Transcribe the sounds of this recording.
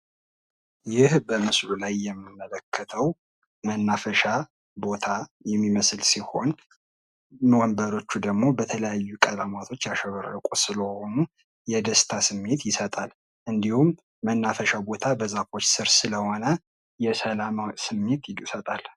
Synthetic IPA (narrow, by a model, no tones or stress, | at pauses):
jɪhbəmɨslulajːɛmːɨmːələkʰːət̪ʰəw | mənːafəʃa | bo̞t̪ʰajɛmːiməslsiho̞̰n | mwɔmbəɾo̞t͡ʃːud̪əɡmo̞bət̪ʰələjajːukʼəlamat̪ʰo̞t͡ʃːjaʃəβəɾəkʷʼusɨləhonu | jɛd̪əst̪ʰasɨmːe̞t̪jɪsət̪ʼal | ʔɨnd̪ihumː | ənːafəʃabo̞t̪ʰabəzafo̞t͡ʃːsɨɾsɨləho̞nə | jɛsəlamasɨmːe̞t̪jɪɡsət̪ʼal